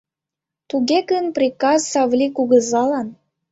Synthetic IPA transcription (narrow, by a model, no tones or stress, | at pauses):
t̪uɣeɡənprʲikɑzːɑvlʲikuɣə̆zɑlɑn